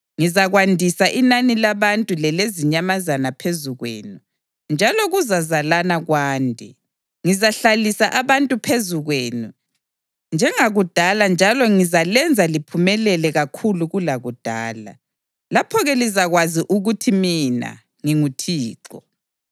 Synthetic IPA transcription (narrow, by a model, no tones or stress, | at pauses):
ŋizaɣwandʱisaʔinanilaβantʼulɛleziɲamazanapʰezuɣwḛːnu | nd͡ʒʱalɔɣuzazalanaɣwaːndʱi | ŋizaɬalisaʔaβantʼupʰezuɣweːnu | nd͡ʒʱɛŋaɣud̥ʱaland͡ʒʱalɔŋizalɛnd͡zʱalipʰumɛlɛlɛɣakʰuluɣulaɣud̥ʱa̰ːla̰ | lapʰɔɣɛlizaɣwaziʔuɣutʰimina̰ | ŋiŋutʰiːǁɔ